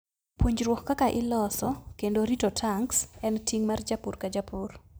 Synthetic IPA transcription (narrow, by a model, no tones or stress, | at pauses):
pwoɲd͡ʒɾwɔkkakaʔɪlɔsɔkendoɾitotʰaŋksɛntʰiŋmard͡ʒapurkad͡ʒapur